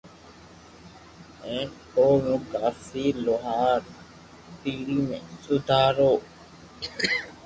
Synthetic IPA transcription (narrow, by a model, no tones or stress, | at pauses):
ẽʈoːʋũɡaːfiːloɦaːɾ | t̪iɾimesud̪ʱaːɾoː